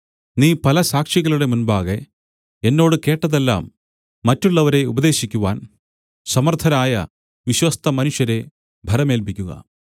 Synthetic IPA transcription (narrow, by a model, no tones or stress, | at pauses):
niːpɐlɐsaːkʂiɣɐluɽe̞munbaːɣe | enːo̞ːɽɨke̞ːʈːɐðelːa̰ːmː | ɐtːuɭːɐʋɐɾe̞ubɐd̪e̞ːɕikʲːuʋa̰ːn | sɐmɐrt̪ʰɐnaːjɐ̰ | ʋiɕwɐst̪ʰɐmɐnuʂjɐɾe̞ | bʱɐɾɐmeːlpikʲːuɣɐ̰